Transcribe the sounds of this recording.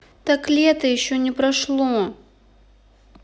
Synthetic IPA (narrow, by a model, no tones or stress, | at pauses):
t̪aklʲɛt̪əjɪɕːonʲɪpɾɐʂlˠo